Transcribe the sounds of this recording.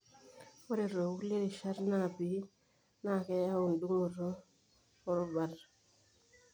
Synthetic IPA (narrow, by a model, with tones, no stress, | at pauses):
o˦ɾe˨ɾo˨u˦kle˦ɾi˨ʃa˦ɾna˦˨bi˨˦ | na˦˨ke˦ja˦u˨ndu˦ŋ˨ɾo˦ | o˦ɾo˦ba˨ɾ